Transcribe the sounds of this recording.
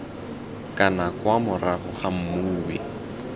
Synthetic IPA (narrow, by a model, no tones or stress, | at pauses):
kanakwamʊraɣʊχam̩muːwe